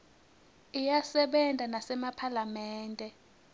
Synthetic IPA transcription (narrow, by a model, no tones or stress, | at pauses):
ijasɛɓɛntʼanasɛmapʰalamɛːntʼɛ